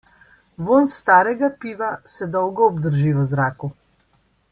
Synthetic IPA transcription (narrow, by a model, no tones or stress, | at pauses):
ʋoːnst̪aːɾɛɡapiːʋasɛd̪ɔwɡɔɔbd̪əɾʒiːʋɔzɾaːku